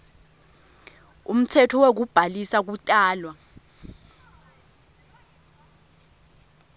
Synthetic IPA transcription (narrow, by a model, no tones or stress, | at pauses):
ṵm̩tʰɛtʰɔwek̬ub̥ʱalisak̬utʼaːlwa